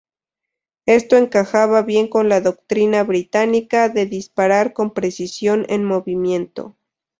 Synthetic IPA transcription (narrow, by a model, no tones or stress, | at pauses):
e̞st̪o̞e̞ŋkaxaβaβje̞ŋko̞nlaðo̞k̚t̪ɾinaβɾit̪anikaðe̞ðispaɾaɾko̞mpɾe̞sisjo̞nḛnmo̞βimje̞nt̪o̞̰